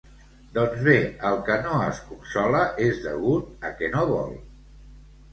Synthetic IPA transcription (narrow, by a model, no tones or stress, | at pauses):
d̪ɔnzβeəlˠkənoəskunsɔləʔezðə̰ɣut̪̚əkɛnoβɔ̰lˠ